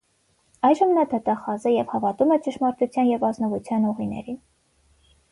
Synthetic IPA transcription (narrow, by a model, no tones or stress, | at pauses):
ɑjʒəmnɑd̪ɑt̪ɑχɑzəjɛvhɑvɑt̪umɛt͡ʃəʃmɑɾt̪ut͡sʰjɑnjɛvɑznɔvut͡sʰjɑnuʁinɛ̰ɾin